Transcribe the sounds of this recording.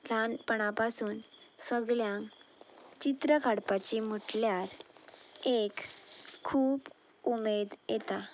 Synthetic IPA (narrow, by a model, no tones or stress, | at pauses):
lanpəɽ̃apasuːnsəɡɭjãŋkt͡ɕit̪ɾəkʰaɽpat͡ɕim̤uʈljaɾ | ekʰː | uːpumed̪jet̪a